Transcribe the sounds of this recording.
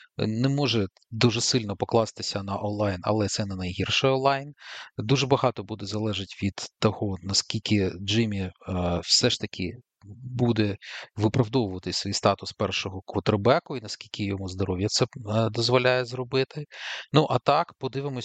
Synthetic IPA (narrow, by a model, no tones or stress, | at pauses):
nɛmɔʒɛ | d̪uʒɛsɪlʲnɔpɔklˠɑst̪ɪsʲɐnɐʔɔnlˠɑjnɐ̰lˠɛt̪sɛnɛnɐjɦirʃɛɔnlˠɑjnd̪uʒɛbɐɦɑt̪ɔbud̪ɛzɐlˠɛʒɪtʲʋʲid̪̥t̪ːɔhɔnɐskʲilʲkʲɪd͡ʒɪmʲiwsɛʃt̪ɐkʲʰɪ | bud̪ɛʋɪpɾɐwd̪ɔʋʊʋɐt̪ɪsʲsʋʲijst̪ɑt̪ʊspɛrʃɔɦɔkɔt̪ɾbɛkʊinɐskʲilʲkʲʰɪjɔmuzd̪ɔɾɔʋʲjɐt̪sɛd̪ɔzʋɔlʲajɛzrɔbɪt̪ɪnuʔɐt̪ɑkpɔd̪ɪʋɪmɔ